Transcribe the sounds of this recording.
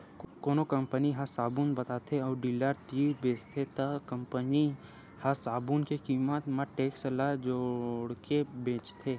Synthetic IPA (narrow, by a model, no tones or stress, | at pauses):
koːnokə̃mpəniɦasaːbuːnbɐt̪at̪ʰeɔːɾɖiləɾt̪ibeːst̪ʰet̪akə̃mpəni | hasaːbuːnkekiːmət̪maʈeːksəlad͡ʒoːɽkebẽːt͡ʃt̪ʰeː